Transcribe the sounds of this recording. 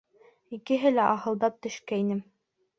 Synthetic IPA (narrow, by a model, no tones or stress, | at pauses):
ikɘ̆ɦɘlæʔɑhɤ̆lˠd̪ɑp̚t̪ɵ̆ʃkæinɘm